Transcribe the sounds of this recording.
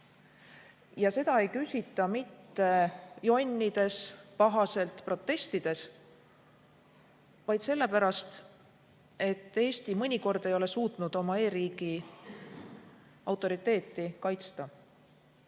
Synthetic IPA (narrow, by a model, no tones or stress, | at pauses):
jɑse̞d̪̥ɑe̞jkysʲit̪ːˑɑmit̪ːe̞jo̞nʲːid̪̥e̞spɑɦɑse̞lt̪pro̞t̪ːˑe̞st̪id̪̥e̞s | vɑjd̪̥se̞lːe̞pæɾɑst̪ | e̞t̪ːe̞ːst̪imɤnʲiko̞rd̪̥e̞jo̞le̞suːt̪ˑnud̪̥o̞mɑe̞ːɾiːɡ̥i | ɑwt̪ːˑo̞ɾit̪ˑːe̞ːt̪ːˑikɑjt̪st̪ɑ